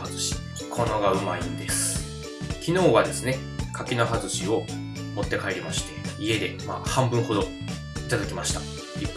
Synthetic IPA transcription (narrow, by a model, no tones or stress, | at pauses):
zɨɕi̥ | kʰo̞no̞ɡaɯ̟maĩnd̪e̞sɨ̥ | kʲino̞ːβad̪e̞sɨne̞ | kʰakʲino̞ɦazɨɕio̞ | mo̞t̪ːe̞kaeɾʲimaɕi̥t̪ʰe̞ie̞d̪e̞ma̰ːhãmbɯ̟̃ɰ̃ho̞d̪o̞ | it̪ad̪akʲimaɕi̥t̪ḁ | i